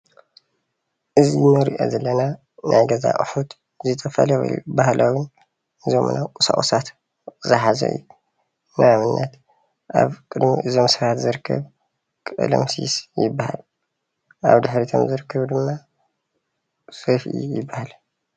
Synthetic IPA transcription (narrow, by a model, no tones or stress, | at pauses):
ʔɨzimɨɾiʔo̰zɐlːɐna | nʔajɡɐza̰ʔʼɨ̰ħut̪ | zɨt̪ʰʼɐfalɐw̰bahlʔawʊn | ʔɨzomɨ̰nawkʼusa̰χʼosat̪ | zɨħazɐ̰ʔɨ̰jːu | naamɨnːat̪ | ʔa̰βkʼɨd̪mḭʔɨzo̞msɨɾat̪zɨɾɨkʰːɐ̰β | kʼɨ̰lɐ̰msḭsjɪbːaha̰l | ʔaβd̪ɨħɾit̪ʰo̰mzɨɾɨkʰːɐβd̪ɨmːa | sofiʔḭjɪbːahal